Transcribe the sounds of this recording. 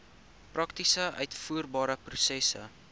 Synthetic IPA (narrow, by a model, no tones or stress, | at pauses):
prɐktisəʔœɥtfuərbɑːɾəprusɛsə̰